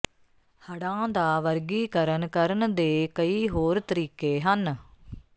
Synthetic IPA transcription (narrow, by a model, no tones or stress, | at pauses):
həɽãːd̪aːʋəɾɡiːkəɾənkəɾnd̪eːkəiːɦoːɾt̪əɾiːkeːɦən